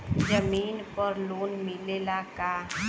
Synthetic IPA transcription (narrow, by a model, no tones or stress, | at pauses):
d͡ʒəmiːnpəɾloːnmɪlelakaː